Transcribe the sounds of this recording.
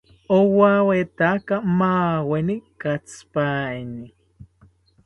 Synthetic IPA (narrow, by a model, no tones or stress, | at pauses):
owawet̪akamaːwenikat͡spaːeni